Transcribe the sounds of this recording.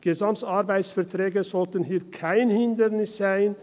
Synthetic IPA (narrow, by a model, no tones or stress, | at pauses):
ɡ̥ezamtɑʁbaɪtsfɛʁtʁɛːɡəzɔltənɦiːkʰaɪnhɪndənɪsz̥aɪn